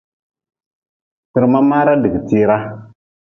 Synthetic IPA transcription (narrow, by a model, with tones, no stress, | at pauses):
tɨ˨ɾma˦ma˦ɾa˦dɨ˨ɡɨ˨tiː˦ɾa˦